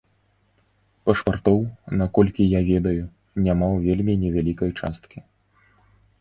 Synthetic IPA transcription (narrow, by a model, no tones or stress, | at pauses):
pɐʂpart̪ɔwnakɔlʲkʲijavʲɛd̪ɐju | nʲamawvʲelʲmʲinʲɛvʲalʲikɐjt͡ʂa̰st̪kʲi